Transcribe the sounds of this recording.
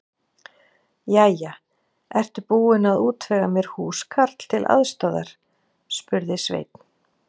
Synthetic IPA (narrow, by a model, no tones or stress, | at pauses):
jaja | ɛr̥t̪ʏpuːɪnaðuːt̪vɛːɣamjɛɾ̥huːskʰaɾt̪l̥t̪ʰɪlʔa̰ðst̪ɔða̰ɾ̥ | spʏɾðɪsvḛjt̪n̥